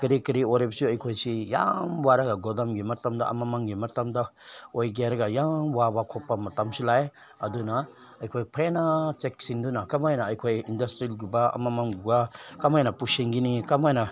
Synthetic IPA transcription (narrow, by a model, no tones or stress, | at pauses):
kəɾikəɾioɾebsiojkʰojsija̰mwaɾaɡaɡɔd̪amɡimatamd̪a̰a̰mamaŋɡimatamd̪aojɡeɾɡajamwabakʰɔpamɐtamsilae | ad̪una | ajkʰojpʰenat͡ʃɛksind̪unakamajnaːjkʰojindastɾilɡubaɐ̰mamanɡubakamajnapuʃiŋɡinikamajna